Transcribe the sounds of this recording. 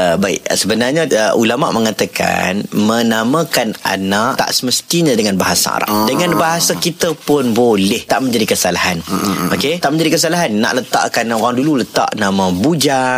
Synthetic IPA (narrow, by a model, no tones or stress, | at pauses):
əbaɪ̰ʔsəbənarɲaulama̰ʔməŋat̪aka̰nmənamãkana̰naʔt̪a̰ʔsəməst̪iɲãdəŋanbaɦasa̰a̰ɾa̰ʔdəŋãnbaɦasakit̪əpʊnbolɛht̪aʔmə̃ɲd͡ʒadikəsalahanoket̪aʔməɲd͡ʒadikəs̬alaɦanːa̰ʔlət̪a̰ʔkanoɾaŋdululət̪a̰ʔnamabud͡ʒa